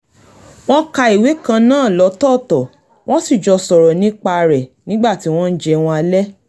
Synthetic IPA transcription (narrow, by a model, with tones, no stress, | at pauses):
w̃ɔ̃˦ka˧i˨we˨˦kã˧nãː˦˨lɔ˨˦tɔ˦˨tɔ˨ | w̃ɔ̃˦si˦˨d͡ʒɔ˧sɔ˨ɾɔ˨nĩ˨˦k͡pa˧ɾɛ˨nĩ˦ɡ͡ba˦˨ti˨˦w̃ɔ̃˦n̩˦d͡ʒɛ˧w̃ɔ̃˧a˧lɛ˦